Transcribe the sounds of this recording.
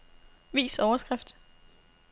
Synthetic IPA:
ʋḭːsɒʊɐsɡ̥ʁafd̥

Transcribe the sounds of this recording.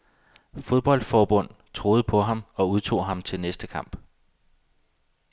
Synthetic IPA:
fo̝ð̞ˠb̥ɒ̽l̰d̥fɒːb̥ɔ̽n̰ | t͡sʰʁo̝ːð̞̩ˠpʰɒ̽ɦɑ̈mɒ̽uðˠt͡sʰo̝̰ːɦɑ̈mt͡sʰe̝lnesd̥əkʰɑ̈m̰b̥

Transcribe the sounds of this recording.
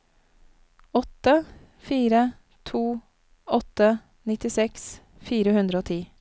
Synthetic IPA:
ɔt̪ə | fiːɾə | t̪ʰuː | ɔt̪ə | nɪt̪ɪsɛks | fiːɾəhʉnd̪ɾəoːt̪ʰiː

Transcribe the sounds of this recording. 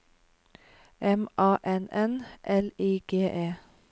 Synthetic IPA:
ɛmʔɑːʔɛnɛnʔɛliːɡ̥eːʔeː

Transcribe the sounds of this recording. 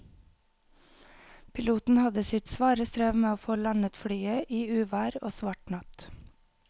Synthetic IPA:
pʰɪluːt̪n̩hɑd̪əsɪt̪sʋɑːɾəst̪ɾeːʋmeːoːfoːlɑnət̪fɽyːəʔiːʉːʋæːɾo̰ːsʋɑʈɳɑt̪

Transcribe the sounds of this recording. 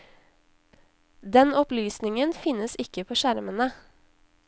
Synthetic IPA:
d̪ɛnɔplyːsnɪŋənfɪnəsɪkəpʰoːʃæɾmənə

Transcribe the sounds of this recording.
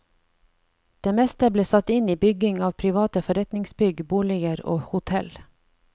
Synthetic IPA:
d̪̥eːmɛst̪əbleːsɑt̪ɪniːbʏɡɪŋɑːʋpʰɾɪʋɑːt̪əfɔɾɛt̪nɪŋsbʏɡbuːlɪɡəɾo̰ːhʊt̪ʰɛl

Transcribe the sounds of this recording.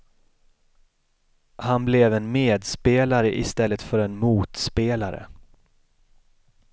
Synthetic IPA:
hanblɛvɛnmeːd̪speːlaɾəʔɪst̪ɛlːət̪fœɾɛnmuːt̪speːlaɾə̰

